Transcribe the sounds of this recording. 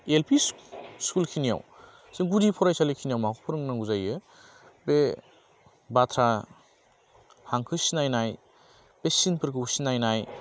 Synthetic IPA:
elpʰiskulkʰinija̰w | siŋɡudipʰɔɾajsalikʰinijawmakʰupʰɯɾɯŋnaɡuzajɯ | be | batʰɾa | haŋkʰɯsinajnaj | b̥esinpʰɯɾkʰɯwsinajnaj

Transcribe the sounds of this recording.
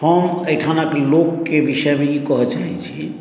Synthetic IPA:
ɔmejʈʰanaklokːebiʃebeikɔɦat͡ɕajt͡ɕʰi

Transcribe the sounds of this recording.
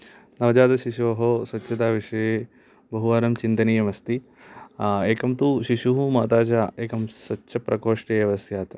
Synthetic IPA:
nɐʋɐd͡ʒaːd̪ɐʃiʃuʋɐɦoːsɐtːʃʰɐt̪aːʋiʂɐjeː | bɐɦuʋaːɾɐmt͡ʃint̪ɐnijɐmɐst̪i | eːkɐmt̪uʃiʃuɦumaːt̪aːt͡ʃaːeːkɐmsɐtːʃɐpɾɐkoːʂʈɐjɐʋɐsjaːt̪ɐ

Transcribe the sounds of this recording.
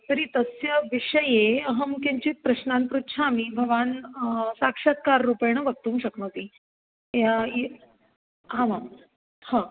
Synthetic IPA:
t̪əɾiːt̪əsjəʋiʂəjeəɦəmkeɲt͡ɕit̪̚pɾəɕnãnpɾut̪ɕʰamiːbʱəʋansakʂət̪̚kaɾːupejɳ̃əʋək̚t̪ũːŋkɕəknə̃t̪i | jae | ɦãʋã | hã

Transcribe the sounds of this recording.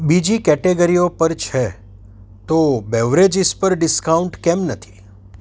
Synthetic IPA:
bid͡ʒikɛʈeɡəɾiopəɾt͡ʃʰe | t̪obɛʋɾed͡ʒispəɾɖɪskauɳʈkɛmnət̪ʰi̥

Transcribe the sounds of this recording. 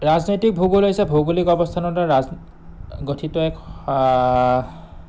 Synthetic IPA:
ɹaznotik̚bʱuɡulojsɛbʱuɡulikɔbɔst̪ʰanɔtaɹaz | ɡotʰitɔɛk

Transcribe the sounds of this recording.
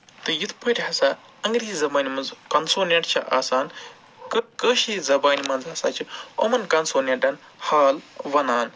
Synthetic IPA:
t̪ɨjit̪ʰpəɾʲɦɐsaː | ɐŋɡɾiizɐbaːnʲimɐnzkɐnsoːnɐɳʈt͡ʃʰɐʔaːsaːn | kkəːʃizɐbaːnʲimɐnzɦɐsaːt͡ʃʰiomɐnkɐnsoːnʲɐɳʈɐn | haːlʋɐnaːn

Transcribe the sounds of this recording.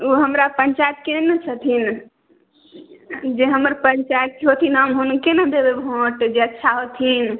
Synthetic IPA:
uɦəmɾapəɲt͡ʃajət̪̚kenət͡ʃʰət̪ʰin | d͡ʒeɦəməɾpəɲt͡ʃajət̪̚keɦot̪ʰinɦəmɦunkenəd̪ebebʱõʈd͡ʒeətːʃʰaɦot̪ʰin

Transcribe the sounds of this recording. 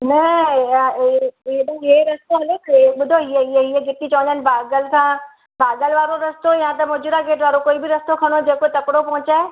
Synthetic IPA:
nɐ | eɗũɦeɾɐst̪oɦɐlokʰɓʊd̪ʱoiɦeɪɦeiɦeɡʱɪt̪it͡ɕɐʋə̃nd̪ənɪ̆bʱaːɡəlkʰã | baːɡəlʋaːɾoɾɐst̪ojãt̪ɐmʊd͡ʑɪɾaɡeːʈʋaːɾokoːibɪɾɐst̪okʰɐɽ̃od͡ʑeːkot̪ɐkɪɽopɐ̃ɦʊ̃t͡ɕaːe

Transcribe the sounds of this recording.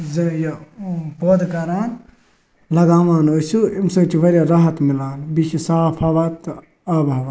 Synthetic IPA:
zɐjoboːd̪kɐɾaːn | lɐɡaːʋaːnosuimsoːt͡ʃʰiʋɐɾjaːɾaɦɐt̪mɪlaːnbiʃʰisaːpʰaʋaːt̪ː | aːbaʋa

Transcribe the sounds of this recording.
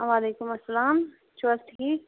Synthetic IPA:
ʋaːleːkʊmɐsːɐlaːm | t͡ʃʰɐsʈʰiːk̚

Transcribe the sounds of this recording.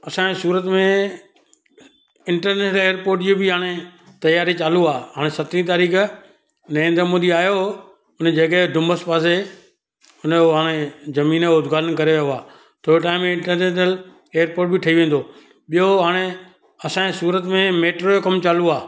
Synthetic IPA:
ɐsãesuːɾət̪mẽ | ɪ̃ɳʈəɾneːʃnəleːəɾpoːɾʈd͡ʑobɪɦaːɽ̃e | t̪ɐjaːɾit͡ɕaːluaːɦaːɽ̃esɐt̪ɾĩt̪̬aːɾiːk | nɐɾẽːnd̪ɾmoːd̪iaːjo | ʊnd͡ʑɐkeɖʊ̃mbəspaːse | ʊnoɦaːɽ̃ezɐmĩːnoːd̪ʱɡaːlənkɐɾejoɦʊaː | t̪ʰoːiʈaːɪ̃mɪ̃ɳʈəɾneːʃnəl | eːəɾpoːʈbɪʈʰɐiʋẽːn̆d̪oː | ɓijoɦaːɽ̃e | ɐsãːesuːɾət̪mẽmeːʈɾojokɐmt͡ɕaːluaː

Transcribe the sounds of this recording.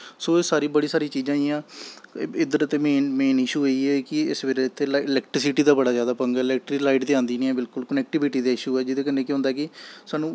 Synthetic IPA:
soːesaːɾiːbəɽiːsaːɾiːt͡ʃiːd͡ʒãːɪjãː | ɪd̪əɾət̪eːmeːnmeːnɪʃuːoiːɛːkɪɪ̰sʋeːɾeɪt̪ʰːelːɪlɛːkʈɾɪsɪʈiːd̪aːbəɽaːzjaːd̪aːpəŋɡɪlɛːk̚ʈɾiːlaːɪʈt̪eãːnd̪iːnĩɛ̃ːbɪlkʊlkənɛːk̚ʈɪbɪʈiːd̪aːɪʃuːɛːd͡ʒɪd̪eːk̬ənːẽːkjɦʊ̃nd̪aːkɪsaːnũː

